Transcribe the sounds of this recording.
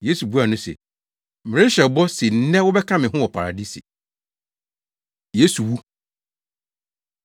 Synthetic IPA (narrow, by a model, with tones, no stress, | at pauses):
je˦su˨bu˦a˨nʊ̃˦sɛ̰˨ | mɪ˨e˦ɕɛ˨bɔ˦sɪ˨n̩˦nɛ̃˦wʊ˦bɛ˦kʰã˦mɪ̃˨ɦʊ̃˦wɔ˨pʰa˨ɾa̰˨di˦sḭ˨ | je˦su˨wu˦